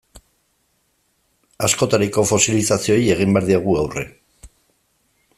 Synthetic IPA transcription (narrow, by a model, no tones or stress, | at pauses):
asko̞t̪aɾiko̞fo̞silisasio̞je̞ɣ̞imbeaɾðiaɣ̞uawre̞̰